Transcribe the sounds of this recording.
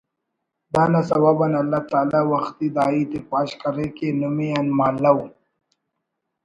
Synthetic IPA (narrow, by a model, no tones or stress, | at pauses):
d̪aːnasɐwabanɐlːat̪aːlawɐxt̪id̪aːit̪epaːʃkɐɾekenumeanmaːlːau